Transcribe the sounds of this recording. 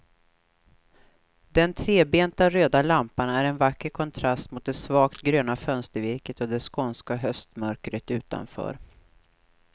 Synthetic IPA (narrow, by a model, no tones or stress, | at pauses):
d̪ɛnt̪ʰɾeːbeːnt̪aɾøːd̪alampanæɾɛnvakːəɾkʰɔnt̪ʰɾast̪mʊt̪̚d̪ɛsvɑːkt̪ɡɾøːnafœnst̪əɾvɪɾkət̪ɔd̪ɛskɔnskaɦœst̪mœɾkɾət̪ʉ̟ːt̪a̰nfœ̰ːɾ